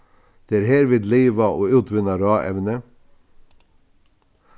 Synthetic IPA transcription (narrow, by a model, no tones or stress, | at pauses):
d̪̥eːæːɾheːɾʋɪːd̪liːʋɑʔoːʉːt̪ʰʋʏnɑɾɑːʔɛ̰ʋnə